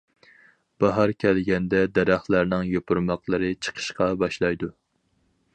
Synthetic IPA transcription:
b̥ɑɦɑɾkʲʰɛlɡʲɛnd̪ɛd̪ɛɾæχlˠæɾnɪŋjopʰuɾmɑqlˠɨɾɨt͡ʃʰə̥qʰə̥ʃqɑbɑʃlˠɑjd̪u

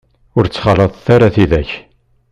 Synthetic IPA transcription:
ʊɾt͡sːχɑləðˤθaɾaθiðæç

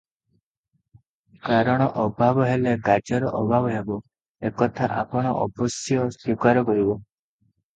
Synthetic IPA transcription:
kaɾɔɽ̃ɔʔɔbʱabɔɦeleɡad͡ʒɔɾɔʔɔbʱabɔɦebɔ | ekɔt̪ʰaʔapɔɽ̃ɔ̰ʔɔ̰bɔsjɔswikaɾɔkɔɾibɔ

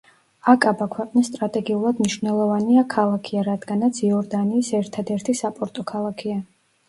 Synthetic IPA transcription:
akʼabakʰwɛqʼnisːt̪ʼɾat̪ʼɛɡiulˠad̪mniʃvnɛlˠɔvaniakʰalˠakʰiaɾad̪ɡanat̪sʰiɔɾd̪aniːsɛɾt̪ʰad̪ɛɾt̪ʰisapʼɔɾt̪ʼɔkʰalˠakʰia

